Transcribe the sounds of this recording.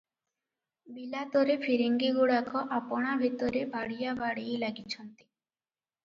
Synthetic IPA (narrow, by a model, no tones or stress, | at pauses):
bilat̪ɔɾepʰiɾiŋɡiɡuɽakɔʔapɔɽ̃abʱit̪ɔɾebaɽijabaɽejlaɡit͡ʃʰɔnt̪i̥